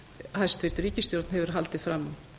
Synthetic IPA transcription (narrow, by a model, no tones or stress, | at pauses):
hajst̪vɪɾt̪ɾiːcɪst̪jɔɾt̪nhɛvʏɾ̥ɦalt̪ɪfɾamːa